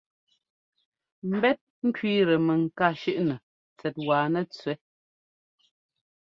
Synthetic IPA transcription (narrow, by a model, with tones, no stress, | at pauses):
m̩˦bɛ˦t̚ŋ̩˦kɥiː˦ɾə˨mɛ˨ŋ̩˨ka˦˨ʃʉ˦ʔnə˨ | t͡sɛ˨t̚waː˨nɛ˦t͡sɥɛ˨˦